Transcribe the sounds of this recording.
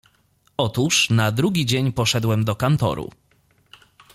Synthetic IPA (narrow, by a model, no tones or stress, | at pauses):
ɔt̪uʂnad̪ɾuɡʲid͡ʑeɲpɔʂɛd̪wɛmd̪ɔkant̪ɔ̰ɾṵ